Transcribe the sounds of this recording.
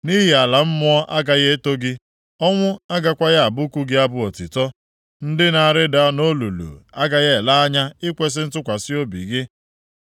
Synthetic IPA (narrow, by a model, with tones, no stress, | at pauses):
ni˦ɦi˨a˨la˨m̩˦mʊ˦ɔ˦ʔa˦ɡa˨ɣe˦to˦ɡɪ˦ | ɔ˦ŋʷʊ˦a˦ɡa˨kʷa˦ɣa˨bʊ˦ku˦ɡɪ˦a˦bʊ˦ɔ˨tɪ˨tɔ˦ | n̩˦dɪ˦na˨ɾɪ˦da˨a˦no˦lu˨lṵ˨a˦ɡa˦ɣe˦˨la˦a˦ɲa˦ɪ˦kʷe˦s̬ɪ˦n̩˦tʊ˦kʷa˨sɪ˦o˦bḭ˨ɡɪ˦